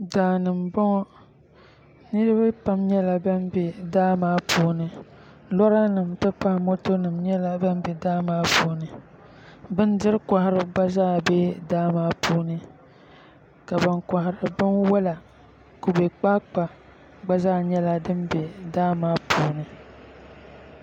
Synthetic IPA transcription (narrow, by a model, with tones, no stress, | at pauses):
daː˨nɨ˨mbɔ˦ŋɔ˦ | nɨ˦ɾɨ˦ba˦pa˦mɲɛ˦la˨bɛ˦nbe˨daː˦maː˦pʰuː˦nɨ˨ | lɔ˦ɾa˦nɨ˨mtɨ˦pa˦mo˦to˦nɨ˨mɲɛ˦la˨bɛ˦m˦be˨daː˦maː˦puː˦nɨ˨ | bɨ˦n˦dɨ˦ɾɨ˦ka˨hɪ˨ɾɨ˨ɡ͡ba˦zaː˦˨bɛ˦daː˦maː˦pʰuː˦nɨ˦ | ka˨ba˨ŋka˨ɦɪ˨ɾɨ˨bɨ˦nwɛ˦la˨ | ku˦be˨k͡pa˦k͡pa˨ | ɡ͡ba˦zaː˦˨ɲɛ˦la˦dɨ˦mbɛ˨daː˦maː˦pʰuː˦nɨ˨